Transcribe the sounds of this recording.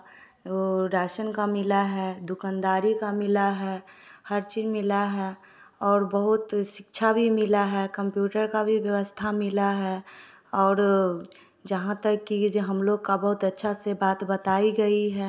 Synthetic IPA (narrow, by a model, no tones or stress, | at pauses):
oɾɛːʃənkamɪlaɦɛd̪ʊkãːnd̪aːɾikamɪlaɦɛhəɾt͡ʃiːzmɪlaɦɛ | ɔːɾbəɦʊt̪ʃɪkt͡ʃʰabʱimɪlaɦɛkə̃mpjuːʈəɾkabʱiʋjəʋəst̪ʰamɪlaɦɛ | ɔːɾ | d͡ʒɐɦãt̪əkːid͡ʒɦɐmloːɡkabɐɦʊt̪ɐtːʃʰasebaːt̪bɐt̪aːiɡɐiɦɛː